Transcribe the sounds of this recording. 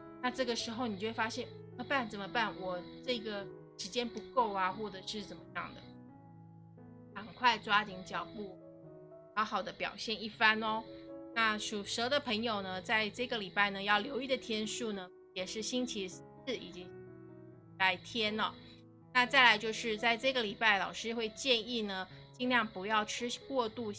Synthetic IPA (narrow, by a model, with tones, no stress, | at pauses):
na˥˧ʈ͡ʂɤ˥˩ɡə˩ʂɻ̩˧˥xo˧ʊni˨˩t͡ɕo˥˧˩we˥˩fa˥ɕjɛ˥˩n˨˩mə˧˦pa˥˩nt͡sə˨˩mə˦pa˥˩nwɔ˨˩ʈ͡ʂɤ˥˩ɡə˩ | ʂɻ̩˧˥t͡ɕjɛ˥npu˧˥ko˥˩ʊa˨xwɔ˥˩ʈ͡ʂɤ˨˩ʂɻ̩˥˩t͡sə˨˩mə˦jɑ̰˥˩ŋd̪ə̰˩ | kɑ˨˩ŋkʰwa˥˩ɪt͡swa˥t̪i˧˥ŋt͡ɕjɑ˨˩ʊpu˥˩ | xɑ˧˥ʊxɑ˨˩ʊd̪ə˦pjɑ̰˨˩ʊɕjɛ˥˧ni˥˩fa˥nɔ˧˩na˥˩ʂu˨˩ʂɤ˧˥d̪ə˧pʰɤ˧˥ŋjo˨ʊnə˩t͡sa˥˧ɪʈ͡ʂɤ˥˩ɡə˩li˨˩pa˥˩ɪnə˩jɑ˥˩ʊljo˧˥ʊi˥˩d̪ə˩t̪ʰjɛ˥nʂu˥˩nə˩ | jɛ˨˩ʂɻ̩˥˩ɕi˥nt͡ɕʰi˧˥s̩˥˩ḭ˨˩t͡ɕi˧˥ | la˧˥ɪt̪ʰjɛ˥nə˧ | na˥˧t͡sa˥˩ɪla˧˥ɪt͡ɕjo˥˧ʊʂɻ̩˥˧t͡sa˥˧ɪʈ͡ʂɤ˥˩ɡə˩li˨˩pa˥˩ɪlɑ˨˩ʊʂɻ̩˥xwe˥˧ɪt͡ɕjɛ˥˧ni˥˩nə˩t͡ɕi˥ŋljɑ˥˩ŋpu˧˥jɑ˥˩ʊʈ͡ʂʰɻ̩˥kwɔ˥˧t̪u˥˩